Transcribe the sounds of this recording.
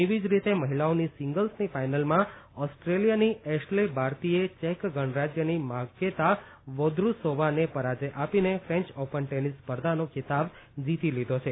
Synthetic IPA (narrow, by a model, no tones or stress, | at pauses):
iʋid͡ʒɾit̪eməɦilaonisɪŋɡəlsnifajnəlmãɔsʈɾelijaniɛsʈlebʱaɾt̪iet͡ʃekɡəɳ̃ɾad͡ʒjənimakːet̪a | ʋod̪ɾusoʋanepəɾad͡ʒeʔapinefɾẽɲt͡ʃɔpəɳʈenispəɾd̪ʱanokʰɪt̪ab | d͡ʒit̪ilid̪ʱot͡ʃʰe